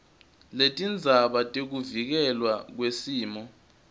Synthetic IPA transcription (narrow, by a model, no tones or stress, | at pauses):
letʼind͡zʱaɓatʼek̬uvik̬ɛlwak̬wesiːmɔ